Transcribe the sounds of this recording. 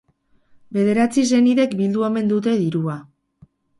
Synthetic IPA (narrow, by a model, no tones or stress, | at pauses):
be̞ð̞e̞ɾat͡sis̬e̞niðe̞kbild̪ueme̞nd̪ut̪̬e̞ðiɾua